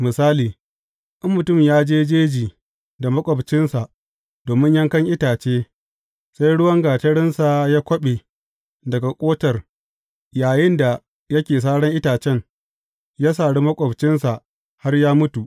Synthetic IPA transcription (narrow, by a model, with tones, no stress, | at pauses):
mɪ˨saː˦liː˨ | ʔɪ˦mːʊ˨tʊ˦mmjaː˦d͡ʒeː˦d͡ʒeː˦d͡ʒiː˨ | da˨mɐ˦kʷʼɔ˨bt͡ʃɪ˦nsa˨ʔ | doː˨mɪ˦ɲjɐ˦ŋkɐ˦ŋʔɪ˦taː˨t͡ʃeː˦ | sa˦jɽʊ˦wɐ˦ŋɡaː˨tɐ˦ɽɪ˦nsa˨jaː˦kʷɐ˦ɓe˨ | dɐ˨ɡa˨kʷʼoː˦tɐ˨r | jaː˨jɪ˦nda˨ | jɐ˦kʲeː˨s̬aː˦ɽɐ˦ŋʔɪ˦taː˨t͡ʃɛ˦ŋ | jaː˦s̬aː˨ɽi˦mɐ˦kʷʼɔ˨bt͡ʃɪ˦nsa˨ʔ | ha˦rjaː˦mʊ˦tu˨ʔ